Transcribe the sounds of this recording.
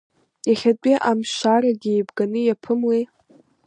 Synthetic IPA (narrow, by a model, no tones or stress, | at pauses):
jaχʲadʷʼiʔamʃʷaɾaɡʲiːbɡanɨjapʰɨmle